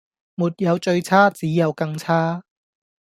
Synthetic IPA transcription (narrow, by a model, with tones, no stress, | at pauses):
muː˨t̚jɐ˨˧wt͡ʃɵ˧ɥt͡sʰaː˥t͡siː˨˥jɐ˨˧wkɐ˧ŋt͡sʰaː˥